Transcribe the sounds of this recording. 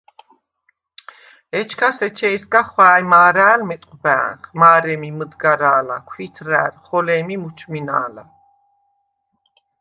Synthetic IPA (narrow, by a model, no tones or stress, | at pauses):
ɛt͡ʃʰkʰasɛt͡ʃʰɛːsɡaχwaːjmaːɾæːlmɛt̪ʼqʼbæ̰ːnχmaːɾɛmiməd̪ɡaɾaːlakʰwit̪ʰɾæːlχɔlɛːmimut͡ʃʰminaːla